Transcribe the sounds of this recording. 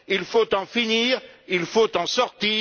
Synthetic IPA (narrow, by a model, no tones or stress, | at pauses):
ilfot̪ɑ̃finiːʁilfot̪ɑ̃sɔʁt̪iː